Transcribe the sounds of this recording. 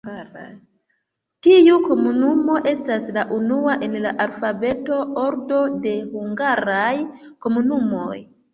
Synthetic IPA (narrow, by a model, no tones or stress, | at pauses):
tiuko̞munumo̞ʔe̞staslaʔunuaʔe̞nla̰ʔalfave̞to̞o̞ɾdo̞de̞huŋɡaɾajko̞munumo̞̰j